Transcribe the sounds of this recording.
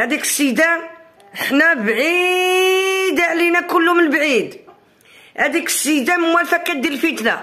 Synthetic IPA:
hæd̪ikə̥sid̪æ | əħnæbʕi | d̪əʕlinækʊlːʊmənbʕid̪ | hæd̪ikə̥sid̪æmmwælfæqid̪ːəlfit̪næ̰

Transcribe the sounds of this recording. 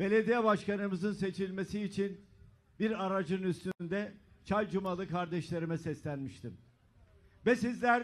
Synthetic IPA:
be̞lʲe̞d̪ijɛbaʃkanɯmɯzɯnse̞t͡ʃʰilʲme̞siːt͡ʃʰin | biɾaɾad͡ʒɯnyst̪ynd̪ɛt͡ʃʰalʲd͡ʒumalˠɯkʰaɾd̪ɛʃlʲe̞ɾimɛsɛslʲænmiʃt̪ʰim | vɛsizlʲæɾ

